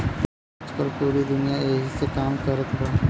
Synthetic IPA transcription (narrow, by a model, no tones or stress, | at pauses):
t͡ʃpəɾpuːɾid̪ʊnijaeːɦisekaːmkəɾət̪ɦoː